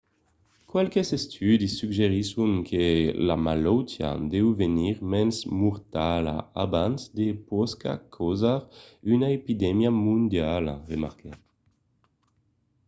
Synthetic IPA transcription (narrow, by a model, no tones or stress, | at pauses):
kwalkesest̪ʰyd̪isːyɡʒeʁisuŋkʰela̰malɔwt̪ja̰d̪ɛwveniʁmɛnsmuʁt̪ala̰abansd̪epɔska̰kʰɔzaʁynaepid̪ɛmjamũnd̪jala̰ʁema̰ʁkɛ